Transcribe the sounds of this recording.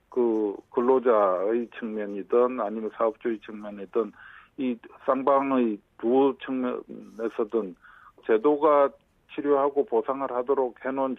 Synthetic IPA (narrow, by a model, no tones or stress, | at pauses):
kɯkɯɭːod͡ʑait͡ɕʰɯŋmjʌɲidɯnaɲimjʌnsʰaʌp̚t͡ɕ͈oit͡ɕʰɯŋmjʌɲidɯnis͈ʰaŋbaŋɯjtut͡ɕʰɯŋmjʌnne̞sʰʌdɯn | t͡ɕe̞doɡa | t͡ɕʰiɾjohaɡoposʰaŋɦɯɾhadoɾok̚he̞non